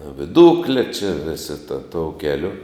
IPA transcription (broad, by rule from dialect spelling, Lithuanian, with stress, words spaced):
ʋʲɪˈdʊklʲɛ t͡ʃʲɪ ˈʋʲɪsʲɪ tɐ toːʊ ˈkʲæːlʲʊ